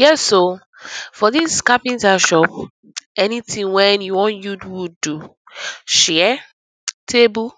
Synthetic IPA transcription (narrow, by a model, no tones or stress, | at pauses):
jɛso | fɔðiskapĩntaʃɔp | ɛnitĩŋwɛ̃njuwɔ̃njudwudu | ʃɛɛ | tʰebu